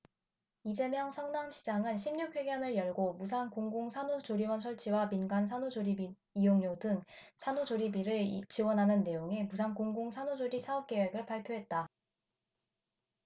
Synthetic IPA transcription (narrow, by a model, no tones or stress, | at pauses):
id͡ʑe̞mjʌŋsʰʌŋnamɕʰid͡ʑaŋɯnɕʰimɲukʰwe̞ɡjʌnɯɭjʌɭɡomus̬ʰankoŋɡoŋsʰanod͡ʑoɾiwʌns̬ʰʌɭt͡ɕʰiwaminɡansʰanod͡ʑoɾibi | ijoŋɲodɯŋsʰanod͡ʑoɾibiɾɯɭt͡ɕiwʌnɦanɯnːe̞joŋe̞mus̬ʰankoŋɡoŋsʰanod͡ʑoɾisʰaʌp̚k͈e̞we̞ɡɯɭpaɭpʰjoɦe̞t̚t͈a